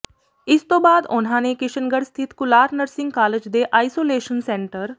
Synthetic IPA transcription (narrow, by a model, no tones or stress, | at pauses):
ɪst̪obaːd̪ʊnɦãnekɪʃənɡəɽst̪ʰɪt̪kʊlaːɾnəɾsɪ̃ŋɡ̚kaːləd͡ʒd̪eʔaːisoːleːʃənsẽːɳʈəɾ